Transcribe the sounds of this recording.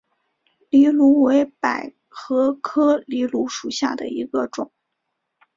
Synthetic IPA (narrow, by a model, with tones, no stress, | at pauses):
li˧˥lu˧˥we˧˥ɪpa˨˩ɪ | xɤ˧˥kʰɤ˥li˧˥lu˧˥ʂu˨˩ɕja̰˥˩d̪ə̰˩i˧˥ɡə˧ʈ͡ʂʊ˨˩˦